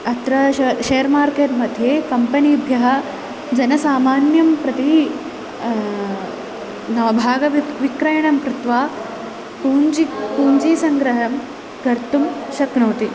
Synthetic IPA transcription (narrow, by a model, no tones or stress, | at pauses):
ɐt̪ɾɐɐʃeːɐɾmaːɾkeːt̪mɐd̪ʱjeːkɐmpɐniːbʱjɐɦɐ̆ | d͡ʒɐnɐsaːmaːnjɐmpɾɐt̪i | nɐːbʱaːɡɐʋʋikɾɐjɐɳɐmkɾɪt̪ʋaː | puːnt͡ʃipuːɲt͡ʃiːsɐŋɡɾɐɦɐm | kɐɾt̪umʃɐknoːt̪i